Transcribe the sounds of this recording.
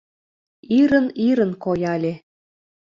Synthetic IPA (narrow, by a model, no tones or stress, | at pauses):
iɾəniɾə̆nkojɑlʲe